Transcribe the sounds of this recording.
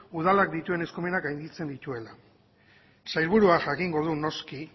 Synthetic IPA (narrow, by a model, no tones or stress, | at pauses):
uð̞alakd̪it̪ue̞ne̞skume̞nakajnd̪it͡se̞nd̪it̪ue̞la | sajlβuɾuaʝakiŋɡo̞ðuno̞ski